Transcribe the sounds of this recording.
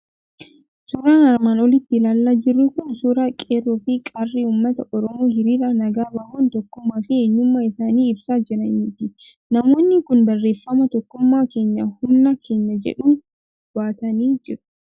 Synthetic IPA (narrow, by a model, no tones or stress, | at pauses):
suːɾaːnɐɾmaːnɔlɪt̪ːɪlaːlːaːd͡ʒɪrːʊkʊnsuːɾaːkʼeːrːofɪkʼarːiuːmːɐt̪ɐʔɔɾɔmoːɦɪɾiːɾɐnɐɡaːbɐhont̪ɔkːʊmːaːfɪeɲːʊmːaːɪsaːniːɪbsaːd͡ʒɪɾɐniːt̪ɪ | nɐmo̞ːnːɪkʊnbɐrːe̞ːfːɐmɐt̪ɔkːʊmːaːke̞ːɲːahʊmnɐke̞ːɲːɐd͡ʒɛ̰ᶑuː | b̥aːt̪ɐniːd͡ʒɪɾʊ̥